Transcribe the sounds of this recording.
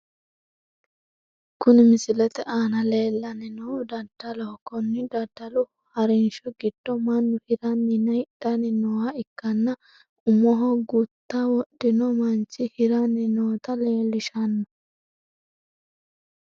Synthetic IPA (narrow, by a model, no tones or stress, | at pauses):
kʊnɪmɪsɪlɛt̪ɛʔaːnɐle̞ːlːɐnɪnud̪ɐd̪̥ːɐlɔkɔnːɪd̪ɐd̪ːɐlʊ | hɐɾɛnʃɔɡɪd̪̥ːɔmɐnːʊhɪɾɐnːɪnɐɪᶑɐnɪnɔwɐɪkːɐnːɐ | ʊmːɔɦɔɡʊt̪ːɐwɔɗːɪnɔmɐnt͡ʃːɪhɪɾɐnːɪnoːt̪ɐle̞ːlːɪʃɐnːɔ